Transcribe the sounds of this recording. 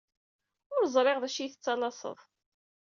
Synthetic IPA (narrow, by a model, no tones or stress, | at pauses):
ʊɾzˤɾˤɪʁðæʃiθət͡sːɑlɑsˤə̰ðˤ